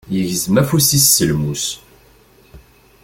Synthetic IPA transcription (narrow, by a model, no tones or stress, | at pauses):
jəʝzəmæfusisːəlmus